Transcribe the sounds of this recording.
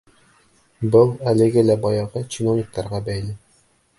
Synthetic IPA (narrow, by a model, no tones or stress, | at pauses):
bɤlˠælɘ̆ɡɘlæbɒjɑʁɤt͡ɕinovnʲɪk̚t̪ɑɾʁɑbæjlɘ